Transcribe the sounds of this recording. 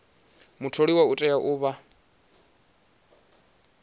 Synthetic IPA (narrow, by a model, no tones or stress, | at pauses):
mutʰoɺiwautʼɛjaʔuːβa